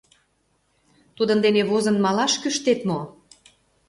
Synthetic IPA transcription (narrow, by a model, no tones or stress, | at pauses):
t̪ud̪ə̆nd̪eneβozə̆nmɑlɑʃkyʃt̪et̪mo